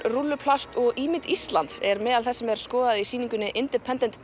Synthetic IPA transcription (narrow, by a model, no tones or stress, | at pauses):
rulːʏpʰlast̪ɔɣʔiːmɪt̪ist̪lant̪sɛɾmɛːðalθɛsːɛmɛɾ̥skɔːðaðisiːniŋkʏnːɪʔɪnt̪ɛɾpʰɛnt̪ɛnt̪